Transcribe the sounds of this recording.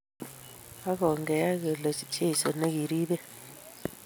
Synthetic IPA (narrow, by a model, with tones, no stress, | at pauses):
a˦k̬ɔ˨ŋɡɛ˨a˦k̬ɛ˨lɔ˨si̥˨t͡ʃʰʼe˦ji˨sɔ˨ne˦k̬i˨ɾiː˦ɓɛ˦